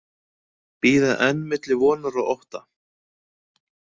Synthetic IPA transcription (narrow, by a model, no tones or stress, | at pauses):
piːðaðɛnːmɪt̪lɪvɔːnaɾaʔɔwht̪a